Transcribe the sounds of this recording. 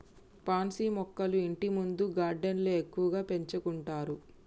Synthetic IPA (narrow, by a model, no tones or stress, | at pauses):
paːnsiːmɔkːɐluiɳʈimund̪uɡaːɾɖenloːekːuʋɐɡaːpe̞ɲt͡ʃɐkuɳʈaːɾu